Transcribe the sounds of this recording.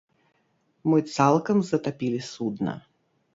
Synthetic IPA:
mɨt̪salˠkɐmzɐt̪apʲilʲisud̪nɐ̰

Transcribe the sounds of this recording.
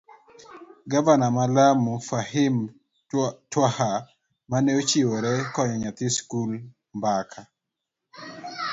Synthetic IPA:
ɡavanamalamufahɪm | twaha | manɛot͡ʃɪwoɾɛkɔɲɔɲat̪ɪskul | mbakʰa

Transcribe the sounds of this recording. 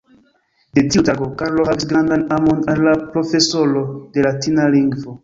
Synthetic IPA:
dediutaɡokaɾlohavisɡɾãndãnamõnanlapɾofesolodelatinalĩŋɡvo

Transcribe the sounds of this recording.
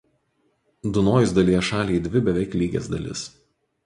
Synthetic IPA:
d̪ʊnoːjɪzd̪ɐlʲiɛʃɑːlʲɛɪd̪ʲʋʲɪbʲɛʋʲɛɪklʲiːɡʲḛːsd̪ɐ̰lʲɪ̰s

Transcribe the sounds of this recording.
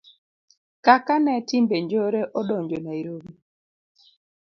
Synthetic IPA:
kakanɛtimbeɲd͡ʒoɾeʔɔɗɔɲd͡ʒonaiɾobi

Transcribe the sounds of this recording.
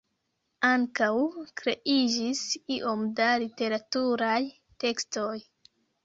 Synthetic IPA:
aŋkawkɾe̞ʔid͡ʒisiʔo̞mdalite̞ɾatuɾaj | te̞ksto̞j

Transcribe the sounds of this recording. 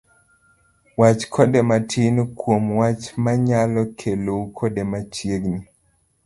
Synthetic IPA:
wat͡ʃkʰɔdɛmatʰinkwomwat͡ʃmaɲalɔkʰelokʰɔdemat͡ʃjeɡni

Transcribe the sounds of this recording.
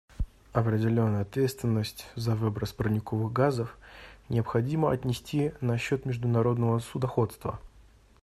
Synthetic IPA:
ɐpɾʲɪdʲɪlʲo̞nːəjɐt̪vʲe̞t̪st̪vʲɪnːəsʲtʲzɐvɨbɾəspɾənʲɪkovɨɣɡazəfnʲɪəpxɐdʲiməɐt̪ʲnʲɪsʲtʲinɐɕːot̪mʲɪʐd̪ʊnɐɾo̞d̪nəvəsʊd̪ɐxo̞t̪st̪və̰

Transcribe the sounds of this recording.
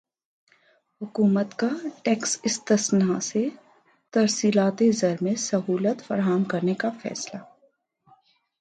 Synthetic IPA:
ɦʊkuːmət̪kaʈɛːksɪst̪ɪsnase | t̪ɐɾsiːlaːt̪ezɐɾmẽsɐɦuːlət̪fɐɾaːmkɐɾnekafɛ̰ːslaː

